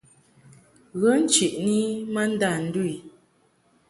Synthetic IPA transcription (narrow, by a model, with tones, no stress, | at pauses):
ɣə˨˦n̩˦t͡ʃi˨ʔni˦mə˦n̩˦da˦˨n̩˦du˦i˨